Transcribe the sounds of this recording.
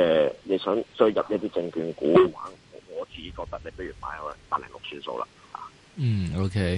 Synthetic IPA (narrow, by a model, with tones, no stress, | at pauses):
ɛː˨le˨˧jsœː˨˥ŋsɵ˥ɥjɐ˨p̚jɐ˥t̚t̪iː˥t͡sɪ˧ŋkyː˨˧nkuː˨˥waː˨˥nɔ̰ː˨˧ŋɔː˨˧t͡siː˨ke˨˥kɔː˧k̚t̪ɐ˥k̚le˨˧jpɐ˥ɥyː˨˩nmaː˨˥jɔ˨˥˨p̪aː˧˥lɛ̰˨˩lʊ˨k̚sʰyː˥˩nso̰˧wla̰˧ | ha̰ː˨˧˥ | o˥kʰe˦˥